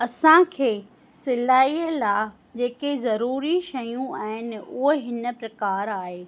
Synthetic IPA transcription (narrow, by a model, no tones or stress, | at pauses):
ɐsãkʰeː | sɪlaːiːəlaː | d͡ʑeːkezɐɾuːɾiʃɐjũaːɦɪnɪ̆ʊɦɦɪnə̆pɾɐkaːɾaːɦeː